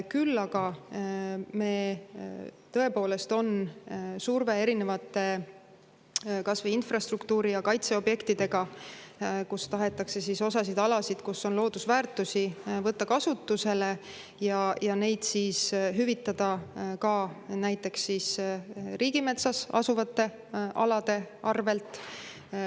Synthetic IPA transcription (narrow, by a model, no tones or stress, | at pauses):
kylːɑɡ̥ɑ | me̞ː | t̪ɤ̞e̞po̞ːle̞st̪o̞nsurve̞eɾine̞vɑt̪ːˑe̞ | kɑsveinfrɑst̪rukt̪uːɾijɑkɑjt̪se̞o̞bje̞kt̪id̪e̞ɡ̥ɑ | kust̪ɑɦe̞t̪ːˑɑkse̞siso̞sɑsid̪ɑlɑsid̪̥kusːo̞nlo̞ːd̪̥usvæːrt̪ːˑusivɤt̪ːɑkɑsut̪ːuse̞le̞ | jɑjɑne̞jd̪̥siːsɦyvit̪ːˑɑd̪̥ɑkɑnæjt̪ːˑe̞ksːisrʔiːɡime̞t̪sɑsɑ̰suvɑt̪ːˑe̞ | ʔɑ̰lɑd̪̥e̞ɑrve̞lt̪ˑ